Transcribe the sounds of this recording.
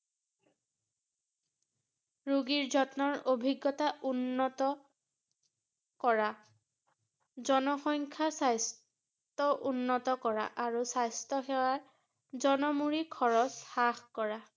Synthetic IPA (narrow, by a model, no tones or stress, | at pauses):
ɹuɡiɹzɔtnɔɹobʱiɡːɔtaʔunːɔtɔ | kɔɹa | zɔnɔxɔŋkʰasajs | tɔʔunːɔtɔkɔɹa̰ʔaɹusajstɔxɛwaɹ | zɔnɔmuɹikʰɔɹɔsxaxkɔɹa